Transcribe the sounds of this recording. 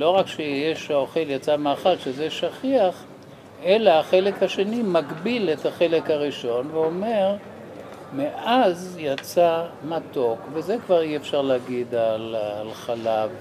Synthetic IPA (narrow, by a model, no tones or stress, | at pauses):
lo̞ʁakʃejeʃoχeljat͡samaaːχalʃezeʃaχiaχ | elaːχe̞le̞khaʃe̞nimaɡbilethaχe̞le̞khaʁiʃo̞nveo̞me̞ʁ | meʔazjat͡samat̪o̞kvezekvaʁiefʃaʁleaɡid̪alalχalav